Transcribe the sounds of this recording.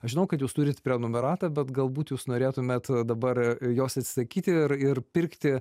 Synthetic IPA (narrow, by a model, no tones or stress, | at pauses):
ɐʃʒʲɪnɐʊkɐt̪juːst̪uːɾʲɪt̪pʲɾʲɛnoːmʲɛɾɑːt̪ɐbʲɛt̪ɡɐlˠbuːt̪juːsnoːɾʲeːt̪ʊmʲɛt̪d̪ɐbɐrjoːsɐt̪ʲsʲɪ̥sɐkʲiːt̪ʲɪɪrɪrpʲɪrʲkt̪ʲɪ